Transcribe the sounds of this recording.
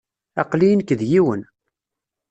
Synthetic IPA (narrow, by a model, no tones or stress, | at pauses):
ɑqlinkəðjiwən